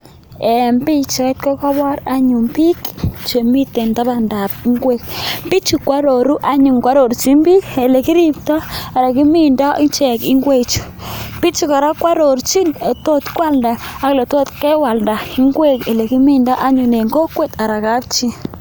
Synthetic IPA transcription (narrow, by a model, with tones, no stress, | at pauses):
e˨mbi˦t͡ʃe˨˦t̪̚kɔ˦ka˦βa˦ɾa˦ɲu˨mbi˦kt͡ʃe˨mi˦t̪e˨nt̪a˦ba˨nda˨p̚i˦ŋɡwe˦kpi˦t͡ʃu˨kwa˦ɾo˨ɾu˦ʔa˦ɲu˨ŋkwa˦ɾo˨ɾt͡ʃi˦mbi˦e˨le˨ki˦ɾi˦pt̪a˦a˨ɾa˨ki˦mi˦nda˦ʔi˦nt͡ʃɛ˨ki˦ŋɡwe˦t͡ʃu̥˨ | pi˦t͡ʃu˨ka˨ɾa˦kwa˦ɾo˨ɾt͡ʃi˦ne˨t̪o˦t̪kwa˦˨lda˨a˦kle˨t̪o˦t̪kɛ˦wa˨lda˨i˦ŋɡwe˦˨ke˨le˨ki˦mi˦nda˦ʔa˦ɲu˨ne˨ŋɡo˦kwe˦t̪a˨ɾa˨ka˦p̚t͡ʃi˦